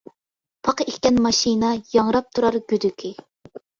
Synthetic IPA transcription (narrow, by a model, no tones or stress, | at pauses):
pʰɑqekʲkʲɛnmɑʃinɑjɑŋɾɑp̚t̪ʰuɾɑɾɡʲyd̪ykʲʰi